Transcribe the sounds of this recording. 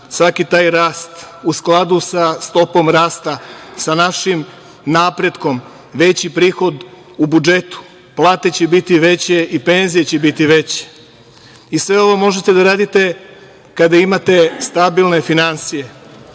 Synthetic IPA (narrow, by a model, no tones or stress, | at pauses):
sʋakit̪aːjɾaːst̪ | usklˠad̪usast̪o̞po̞mɾaːst̪asanaʃim | napɾe̞d̪ko̞m | ʋe̞t͡ɕipɾiːxo̞d̪ | ubud͡ʒe̞t̪u̥ | plˠaːt̪e̞t͡ɕebit̪iʋe̞t͡ɕe̞ʔipe̞nzije̞t͡ɕebit̪iʋe̞t͡ɕe̥ | isʋe̞o̞ʋo̞mo̞ʒe̞t̪ed̪aɾaːd̪it̪e̞ | kad̪aimat̪e̞st̪abilˠne̞finansije̞